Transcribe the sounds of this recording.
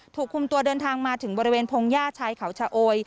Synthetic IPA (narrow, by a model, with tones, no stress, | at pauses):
t̪ʰuː˨˩kʰːu˧mt̪u˧ɐdɤː˧nt̪ʰaː˧ŋmaː˧t̪ʰɯ˩˦ŋbɔː˧ɾi˦˧weː˧npʰoː˧ŋjaː˥˩t͡ɕʰaː˧jkʰa˩˦wt͡ɕʰaː˧ʔoː˧j